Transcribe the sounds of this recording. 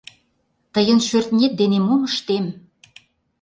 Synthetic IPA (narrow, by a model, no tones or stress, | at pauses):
t̪əjə̆nʃørt̪nʲet̪̚d̪enemuməʃt̪em